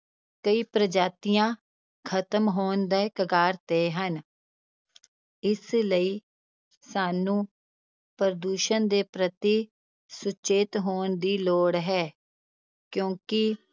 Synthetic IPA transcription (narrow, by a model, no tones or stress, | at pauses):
kəiːpɾəd͡ʒaːt̪ɪjãː | kʰət̪əmɦoːnd̪ɛːkəɡaːɾt̪eːɦən | ɪsləiː | saːnũː | pəɾəd̪uːʃənd̪eːpɾət̪iː | sʊt͡ʃeːt̪ɦoːnd̪iːloːɽɦɛː | kjõːkɪ